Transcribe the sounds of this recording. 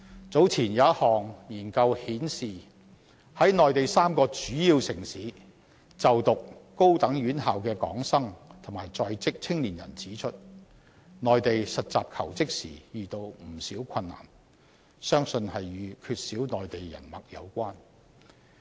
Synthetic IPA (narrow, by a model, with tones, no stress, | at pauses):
t͡so˨˥wt͡sʰiː˨˩njɐ˨˥ɐ˥t̚hɔː˨ŋjiː˨˩nkɐ˧whiː˨˥nsiː˨ | hɐ˨˥jnɔː˨jt̪e˨jsaː˥mkɔː˧t͡syː˨˥jiː˧wsɪ˨˩ŋsiː˨˥ | t͡sɐ˨wt̪ʊ˨k̚ː | o˥wt̪ɐ˨˥ŋjyː˨˥nɦaː˨wkɛː˧kɔ̰ː˨˥ŋsɐ˥ŋt̪ʰʊ˨˩maː˨˩jt͡sɔː˧jt͡sɪ˥k̚t͡sʰɪ˥ŋliː˨˩njɐ̰˨˩nt͡siː˨˥t͡ʃʰɵ˥t̚ | nɔː˨jt̪e˨jsɐ˨t̚t͡sa̰ː˨p̚kʰɐ̰˨˩wt͡sɪ˥k̚sḭː˨˩jyː˨t̪o˧wm̩˨˩siː˨˥wkʰɐ˧nːa̰ː˨˩n | sœː˥ŋsɵ˧nhɐ˨jjyː˨˧kʰyː˧t̚siː˨˥wnɔː˨jt̪e˨jjɐ̰˨˩nmɐ˨k̚jɐ̰˨˧wkʷaː˥n